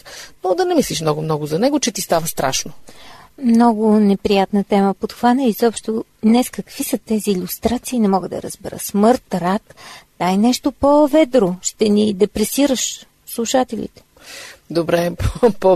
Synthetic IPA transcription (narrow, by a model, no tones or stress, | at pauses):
nod̪ɐnɛmisliʃmnɔɡʊmnɔɡʊzɐnɛɡʊt͡ʃɛt̪ist̪avəst̪ɾa̰ʃnomnɔɡʊnɛpɾijat̪nət̪ɛməpot̪xvanəizɔpʃt̪od̪nɛskəkv̥isət̪ɛziːlʲust̪ɾat̪siːnɛmɔɡəd̪ɐ̰ɾə̰zbɛ̰ɾə̰smɤɾt̪ɾakd̪ajnɛʃt̪opovɛd̪ɾoʃt̪ɛnid̪ɛpɾɛsiɾəʃ | slˠuʃat̪ɛlʲḭt̪ɛ̥ | d̪obɾɛppo